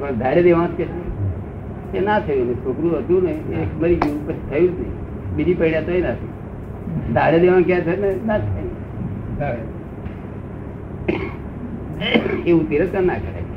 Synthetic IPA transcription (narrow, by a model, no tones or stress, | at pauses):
pəd̪ʱaɽed̪eʋãsket̪ʰəjũ | enat̪ʰəjũnet͡ʃʰokɾũɦət̪jũneeməɾid͡ʒũpət͡ʃʰi̥t̪ʰəjũd͡ʒnə | bid̪ipəiɳjãt̪oĩnat̪ʰḭ | d̪ʱaɽed̪eʋãnk̬ɛ̃t̪ʰənenat̪ʰn | eʋũt̪iɾət̪kənakəɾḛt͡ʃ